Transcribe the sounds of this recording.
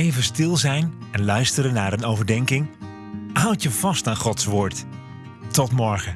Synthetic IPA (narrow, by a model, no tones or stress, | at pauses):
ejvənstɪlˠzɛjnɛnlœɥstəɾənːaːɾənowvəɹdɛŋkɪŋ | ɦʌwtjəvɑstaːnχɔtsʋʊːɹt | tɔtmɔɹχə